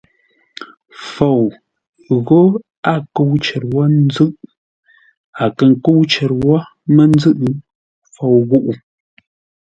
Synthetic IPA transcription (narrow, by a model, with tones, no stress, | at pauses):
fo˨w | ɣo˦ | a˦˨ko˦wt͡ʃɛ˨ɾ̚wɔ˦n̩˦d͡zɨ˦ʔ | a˨kə˨ŋ̩˨ko˦wt͡ʃɛ˨ɾwɔ˦ | mə˦n̩˦d͡zɨ˦ʔɨ˦ | fo˨wɣu˦ʔu˨